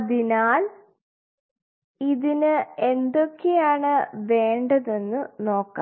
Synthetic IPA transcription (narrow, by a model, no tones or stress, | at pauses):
ðinaːl | iðinɨe̞nd̪o̞kːejaːɳɨʋe̞ːɳɖɐðe̞nːɨno̞ːkːa̰ː